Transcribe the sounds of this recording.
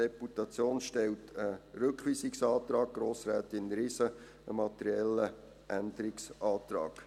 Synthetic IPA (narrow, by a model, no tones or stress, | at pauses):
ɛputɑt͡sjoːnʃtɛltʰəɾʏkχʋiːsɪksɑːt̪ɾɑːɡ̥̚ɡ̥ɾoːsɾæːtɪnɾɪsə | əmɑt̪əɾiɛlːə | ʔænd̪əɾɪksɑːt̪ɾɑ̰ːɡ̥